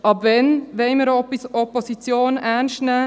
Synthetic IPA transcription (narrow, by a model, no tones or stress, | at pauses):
ɑbvɛnʋɛɪməɾɔpisoposit͡sjoːnænʃtnɛː